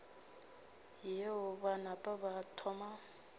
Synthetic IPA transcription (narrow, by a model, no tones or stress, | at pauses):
jeɦʊβanapʼabatʰɔma